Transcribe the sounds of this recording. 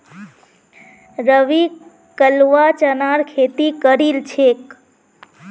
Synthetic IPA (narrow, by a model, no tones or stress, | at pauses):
ɾəʋi | kəlʋat͡ʃənaɾkʰet̪ikəɾilt͡ʃʰek